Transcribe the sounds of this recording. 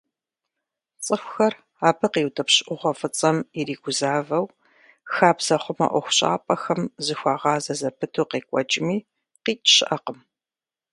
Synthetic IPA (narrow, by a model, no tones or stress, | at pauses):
t͡sʼəxʷʊxɐr | aːbɨqiːwtʰʼɐpɕɪʔʷʊʁʷɔfɨt͡sʼɐmiɾiːɡʷʊzaːvɐw | xaːbzɐχʷʊma̰ʔʷɔxʷʊɕʼa̰ːpʼɐxɐmzɨxʷɑːʁɑːzɐzɐpʰɨtʰuːqeːkʷʼɔt͡ʃʼɪmiː | qiːt͡ʃɕɪʔɐqəm